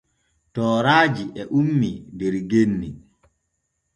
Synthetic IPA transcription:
tɔːɾaːd͡ʒiʔɛʔumːidɛɾɡenːi

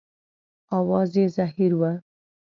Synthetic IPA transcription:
ɑwɑzezaɦiɾwa

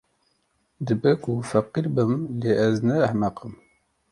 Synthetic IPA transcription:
d̪ɨbɛkufɐqiɾbɨmleːʔɛznɛːhmɐqəm

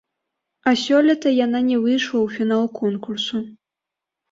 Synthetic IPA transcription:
asʲɔlʲɐt̪ɐjananʲɛvɨjʂlˠɐwfʲinalˠkʰɔnkursu

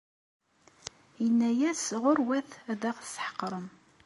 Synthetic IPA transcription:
jənːæjæsʁʊɾwæθðæʁθsħə̥qːɾˤəm

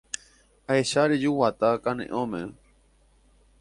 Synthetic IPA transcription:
aeʃaɾed͡ʒuwat̪akanḛ̃ʔõmḛ̃

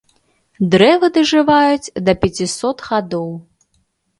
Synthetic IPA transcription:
d̪ɾɛvɨd̪ɐʐɨvajut͡sʲd̪ɐpʲɛt͡sʲisɔt̪ɣad̪ɔw

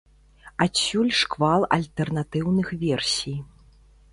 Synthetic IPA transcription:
asʲːulʲʂkvalˠɐ̰lʲt̪ɛrnat̪ɨwnɨxvʲɛrsʲij

